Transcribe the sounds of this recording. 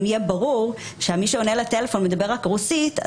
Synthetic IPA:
mijebaʁuʁ | ʃeamiʃeo̞nelatelefo̞nmed̪abe̞ʁakʁusit̪a̰

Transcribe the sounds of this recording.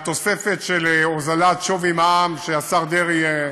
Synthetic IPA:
t̪o̞se̞fet̪ʃelozalat̪ʃovimaamʃeasaʁd̪eʁie

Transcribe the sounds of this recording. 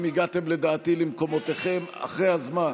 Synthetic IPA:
miɡat̪emle̞d̪aːt̪ilimko̞mo̞t̪eχe̞ma̰χʁejhazman

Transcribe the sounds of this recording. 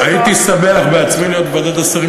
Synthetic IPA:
ait̪isabeaχbeat͡smenijot̪bad̪at̪asʁi

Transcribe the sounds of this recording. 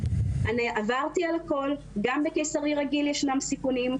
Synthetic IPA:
ʔaniʔavaʁt̪ialako̞l | ɡambekejsaʁiʁaɡiljeʃnamsikunim

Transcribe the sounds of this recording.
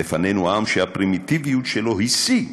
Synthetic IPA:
efanenuaamʃeapʁimit̪ivijutʃelo̞ɦisi

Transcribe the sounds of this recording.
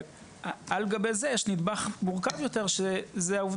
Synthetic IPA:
alɡabejzejɛʃnid̪baχmuʁkavjo̞t̪e̞ʁʃezeauvd

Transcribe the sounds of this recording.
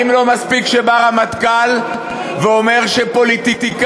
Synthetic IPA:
imlo̞maspikʃe̞baʁamat̪kal | veo̞me̞ʁʃe̞po̞lit̪it̪ik

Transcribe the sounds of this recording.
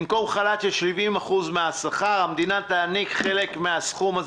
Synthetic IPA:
mko̞mχalat͡ʃelʃlivimaχuzmeasaχaʁamd̪inat̪aːnikχe̞le̞kmeasχuma

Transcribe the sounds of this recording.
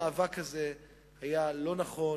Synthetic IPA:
aːvakaze | hajalo̞naχo̞

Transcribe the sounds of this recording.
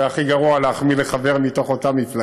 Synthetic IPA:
aχiɡaʁualeaχmileχave̞ʁmito̞χo̞tamifla

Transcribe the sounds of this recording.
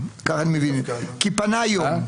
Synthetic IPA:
kaɣanmivinkipanajo

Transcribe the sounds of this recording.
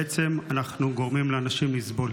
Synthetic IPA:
et͡se̞manaχnuɡo̞ʁmimleanaʃimizbo̞l

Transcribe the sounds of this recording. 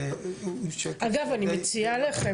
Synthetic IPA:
ʔaɡavanimet͡sialeχe

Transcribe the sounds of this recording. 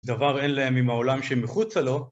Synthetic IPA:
d̪avaʁe̞nlaemimhao̞lamʃemiχut͡salo̞

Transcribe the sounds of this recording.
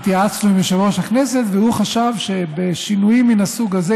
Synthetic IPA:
t̪jaat͡sloimeʃaloʃhakneset̪vehuχaʃavʃe̞beʃinujimːinasuɡaze

